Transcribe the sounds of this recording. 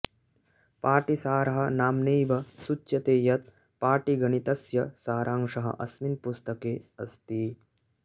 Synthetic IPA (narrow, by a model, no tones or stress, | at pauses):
paːʈisaːɾɐɦɐ̆naːmneːʋɐsut͡ʃːjɐt̪eːjɐt̪̚ | paːʈiɡɐɳit̪ɐsjɐsaːɾʔaːŋʂɐɦɐ̰ʔɐ̰sminpust̪ɐkeːɐst̪i